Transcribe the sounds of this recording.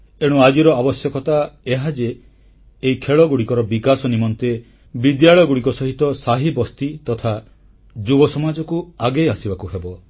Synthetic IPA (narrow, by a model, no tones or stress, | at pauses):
eɽ̃uad͡ʒiɾɔabɔsjɔkɔt̪aeɦad͡ʒeː | ikʰeɭɔɡuɽikɔɾɔbikasɔnimɔnt̪e | bid̪jaɭɔjɔɡuɽikɔsɔɦit̪ɔsaɦibɔst̪it̪ɔt̪ʰa | d͡ʒubɔsɔmad͡ʒɔkuaɡejasibakuɦebɔ